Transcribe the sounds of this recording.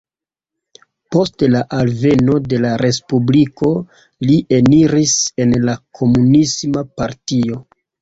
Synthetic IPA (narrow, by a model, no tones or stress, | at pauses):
po̞stlaʔalve̞no̞de̞laɾe̞spubliko̞ | liʔe̞niɾise̞nlakʰo̞munismapaɾtio̞